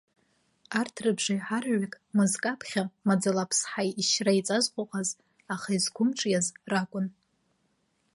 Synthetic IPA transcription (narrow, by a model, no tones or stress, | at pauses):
artʰrɨbʐajħarʕʷakʼmɨzkʼapʰχʲamad͡zalapʰsħajiʃrait͡sʼazqʷʼʊqʼaz | aχaizɡʷʰʊmʈ͡ʂʼjazrakʷʼʊn